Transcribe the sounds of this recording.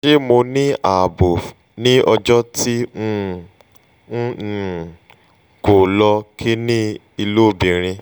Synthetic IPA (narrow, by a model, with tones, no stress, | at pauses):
ʃe˦mo˧nĩ˦a˨bo˨ | nĩ˦ʔɔ˧d͡ʒɔ˦tĩ˦˨ | ko˨lɔ˧kʰi˦nĩ˦ | i˧lo˦˨bĩ˨ɾ̃ĩ˧